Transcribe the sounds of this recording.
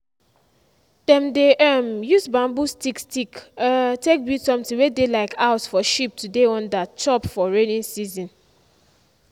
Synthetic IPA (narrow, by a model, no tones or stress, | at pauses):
d̥ɛ̃mdeʔɛmjusbãmbustikstiktek̚bjitsɔ̃mtĩwedelaɪkʰaʊtfɔʃip̚tʰudeɔ̃ndat͡ʃɔpfɔɹenĩnsizɔ̃n